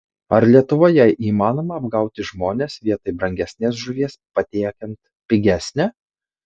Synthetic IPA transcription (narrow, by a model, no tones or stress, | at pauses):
ɐɾlʲiɛt̪ʊʋoːjɛʔiːmɑːnoːmɐːbɡɐˑʊt̪ʲɪʒmoːnʲeːsʋʲiɛt̪ɐɪbɾɐŋʲɡʲɛsʲnʲeːs̬ʒʊʋʲiɛspɐt̪ʲiɛkʲɛnt̪ | pʲɪɡʲæsʲnʲɛː